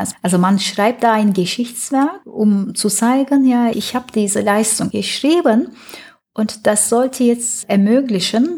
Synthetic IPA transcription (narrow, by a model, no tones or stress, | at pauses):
sʔalzomanʃʁ̥aɪp̚t̚d̥aːaɪnɡəʃɪçt͡sv̥ɛɐk̚ʔʊmt͡sut͡saɪɡənjaːʔɪ̰çhaːbəd̥iːzəlaɪstʊŋɡ̥əʃʁ̥iːbən | ʔʊntd̥asz̥ɔltʰəjɛt͡stʔɛɐmøːklɪçən